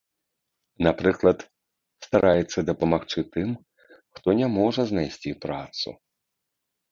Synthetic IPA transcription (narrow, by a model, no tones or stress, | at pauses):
napɾɨklˠɐt̪ | st̪aɾʔajɛt̪sːɐd̪ɐpɐmaxt͡ʂɨt̪ɨm | xt̪ɔnʲɛmɔʐɐznajsʲt͡sʲipɾat̪sṵ